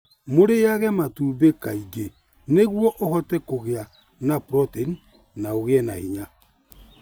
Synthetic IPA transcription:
moɾejaɣɛmatuːbekaiɡe | neɣwɔʔohɔtɛkoɣea | napɾɔtini | naoɣeɛnahiɲa

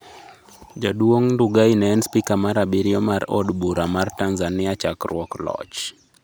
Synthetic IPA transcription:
d͡ʒadwoŋnduɡainɛɛnspikamaɾabiɾjɔmaɾɔ̰dbuɾamartanzanɪat͡ʃakrwɔklɔ̰t͡ʃ

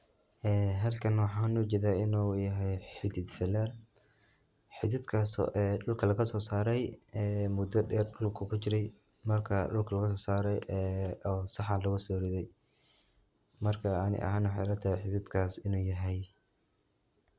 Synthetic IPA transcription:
ʔɛːɦɐlkʰɐnwɑħɑːnuːt͡ʃɛːðaːɪnuːjɐɦɛjħɪd̪ɪd̪fɪlɛr | ħɪðɪd̪kʰaːsʔɛɖʊlkʰɐlɐɣɐsɔːsaːɾɛjɛːmʊd̪ɐɗɛːrɖʊlkʰɐkʰʊt͡ʃɪɾɛj | mɐrkʰɐɖʊlkʰɐlɐɣɐsɔːsaːɾɛjʔɔːsɑħɑlɐɣʊsɔːɾɪðɛj | mɐrkʰɐɑnɪ̰ʔɐ̰ɦaːnwɑħɑjlɐt̪ʰaːhɛjħɪd̪ɪd̪kʰaːsɪnuːjɐɦɛj

